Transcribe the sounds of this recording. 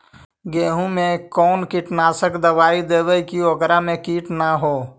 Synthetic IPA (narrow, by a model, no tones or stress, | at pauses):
ɡeːɦũmẽkɔːnkiʈnaːsəkd̪əbaːid̪eːbəikioɡɾamẽkiːʈnaɦoː